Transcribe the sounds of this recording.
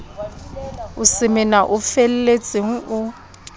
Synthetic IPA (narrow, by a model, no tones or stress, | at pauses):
ʊsɪmɪnaʔʊfel̩let͡sʼɪŋ̩ʊ